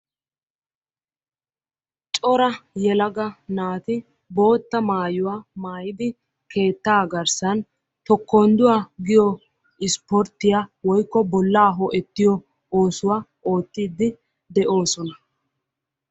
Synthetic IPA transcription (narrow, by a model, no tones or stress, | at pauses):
t͡ʃʼɔɾɐjɛlɐɡɐnaːt̪ɪ | bo̞ːt̪ːɐmaːjʊwaːmaːjɪd̪ɪ | kʰe̞ːt̪ːaːɡɐɾsɐn | t̪ɔkʰːoːnd̪ʊwaːɡɪjɔ | ɪspɔɾt̪ːɪjaːwɔjkːɔbɔlːaːɦɔʔɛt̪ːɪjɔ | oːsʊwaː | o̞ːt̪ːiːd̪ːɪ | d̪ɛʔo̞ːsɔnɐ